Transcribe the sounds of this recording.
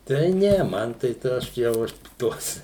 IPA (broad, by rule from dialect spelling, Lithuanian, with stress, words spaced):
tɐɪ ˈnʲɛ ˈmɐn tɐɪ ˈtɐ ˈɐʃ jɛʊ ˈɐʃ ˈtuɔs